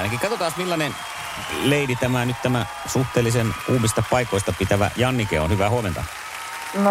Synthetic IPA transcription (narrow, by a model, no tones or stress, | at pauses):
nækikɑt̪ot̪ɑːsmilːɑnen | leidit̪æmænyt̪t̪æmæ | suht̪eːlːˑisenkuːmist̪ɑpɑikoˑist̪ɑpit̪æʋæ̰jɑnːikḛo̰nhyʋæhuɑment̪ɑ̰ | n